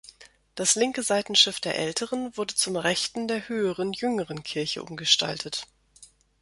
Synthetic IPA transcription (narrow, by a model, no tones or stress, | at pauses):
d̥aslɪŋkəzaɪtn̩ʃɪfd̥eːɐʔɛltʰəʁənvʊɐdət͡sʊmʁɛçtn̩deːɐhøːəʁənjʏŋəʁənkʰɪɐçə̰ʔʊ̰mɡəʃta̰ltʰət